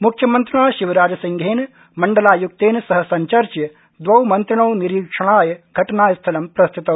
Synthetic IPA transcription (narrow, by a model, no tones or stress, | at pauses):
mukʰjɐmɐnt̪ɾiɳaːʃiʋɐɾaːd͡ʒɐsiŋɡʱeːn | mɐɳɖɐlaːjuk̚t̪eːnsɐɦɐsɐɲt͡ʃɐɾt͡ʃjɐ | d̪ʋɐwmɐnt̪ɾiɳɐwniɾiːkʂɐɳaːjɐɡʱɐʈɐnaːjɐst̪ʰɐlɐmpɾɐst̪ʰit̪ɐ